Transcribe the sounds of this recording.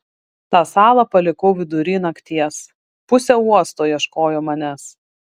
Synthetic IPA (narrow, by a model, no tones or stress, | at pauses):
t̪ɑːsɑːlˠɐpɐlʲɪkɔʊʋʲɪd̪ʊɾʲɪːnɐkt̪ʲiɛs | pʊsʲɛuɔst̪oːjiɛʃkoːjoːmɐnʲɛs